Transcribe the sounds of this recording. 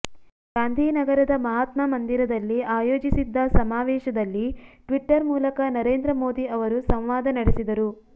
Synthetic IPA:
ɡaːnd̪ʱiːnɐɡɐɾɐd̪ɐmɐɦaːt̪mɐmɐnd̪iɾɐd̪ɐlːiaːjoːd͡ʒisid̪ːɐsɐmaːʋɛːʃɐd̪ɐlːiʈʋiʈːɐɾmuːlɐkɐnɐɾeːnd̪ɾɐmo̞ːd̪iɐʋɐɾusɐ̃m̃ʋaːd̪ɐnɐɽisid̪ɐɾu

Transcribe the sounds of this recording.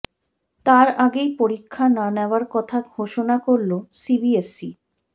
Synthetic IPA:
t̪aɾaɡejpoɾikʰːananɛoaɾkɔt̪ʰaɡʱoʃonakoɾlosibiesi

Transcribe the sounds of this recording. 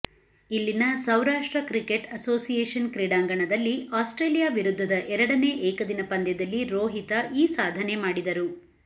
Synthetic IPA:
ilːinɐsɐwɾaːʂʈɾɐkɾike̞ʈɐsoːsijeːʂɐnkɾiɽaːŋɡɐɳɐd̪ɐlːiaːsʈɾe̞ːlijaːʋiɾud̪ʱːɐd̪ɐʔɛɾɐɽɐneːʔɛːkɐd̪inɐpɐnd̪jɐd̪ɐlːiɾoːɦit̪ɐʔiːsaːd̪ʱɐnemaːɽid̪ɐɾu

